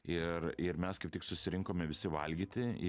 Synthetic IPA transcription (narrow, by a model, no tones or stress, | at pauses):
ɪɾɪɾmʲɛskɐɪpt̪ʲɪksʊsʲɪɾʲɪŋkoːmʲɛʋʲɪsʲɪʋɐlʲɡʲiːt̪ʲɪ